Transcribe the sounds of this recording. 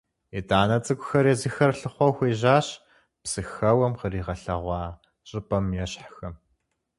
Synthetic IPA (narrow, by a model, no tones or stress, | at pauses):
ɛtaːnɐt͡sʼɨkʷʼʊxɐɾjɛzɨxɐrɬɨχʷɔxʷeːʑaːɕ | psɨxɐwɐmqəriːʁɐɬɐʁʷɑː | ɕʼɪpʼɐmjɛɕħxɐm